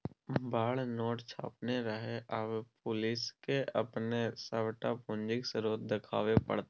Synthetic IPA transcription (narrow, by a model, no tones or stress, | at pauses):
baːɭnoːʈt͡ʃʰa̰ːpneɾəɦeʔəbpʊlɪskeʔəpnesəʋʈapʊ̃nd͡ʒɪksɾoːt̪̚d̪ɪkʰa̰ːʋepə̰ɽt̪ː